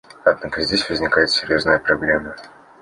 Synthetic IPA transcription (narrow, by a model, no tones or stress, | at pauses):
ɐd̪nakəzʲdʲesʲvəzʲnʲɪkajɪt̪sʲɪɾʲjo̞znəjəpɾɐblʲemːə